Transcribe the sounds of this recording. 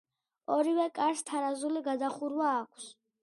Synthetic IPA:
ɔɾivɛkʼaɾst̪ʰaɾazuliɡad̪aχuɾwaːkʷʰs

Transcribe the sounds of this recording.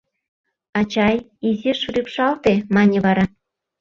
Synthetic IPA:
ɑt͡ɕɑj | izʲeʃuɾʲipʃɑlt̪emɑnʲeβɑɾɑ

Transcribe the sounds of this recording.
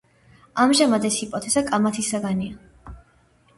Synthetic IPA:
amʒamad̪ɛsipʼɔt̪ʰɛzakʼamat̪ʰisaɡania

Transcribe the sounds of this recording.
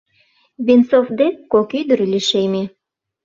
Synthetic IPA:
βinsofd̪ekokyjd̪əɾlʲiʃeme

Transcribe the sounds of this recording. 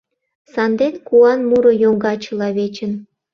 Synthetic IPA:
sɑnd̪enkuɑnmuɾojoŋɡɑt͡ɕə̆lɑβet͡ɕə̆n

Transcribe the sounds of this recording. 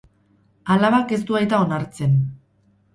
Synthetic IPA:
alaβake̞st̪uajt̪ao̞naɾt͡se̞n

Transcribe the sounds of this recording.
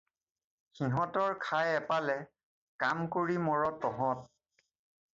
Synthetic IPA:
xiɦɔ̃tɔɹkʰajɛpalɛ | kamkoɹimɔɹɔtːɔɦɔ̃t̚

